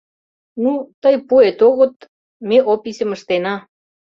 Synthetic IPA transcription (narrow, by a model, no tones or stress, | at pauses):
nut̪əjpuet̪oɣə̆t̪ | meʔopisʲə̆məʃt̪enɑ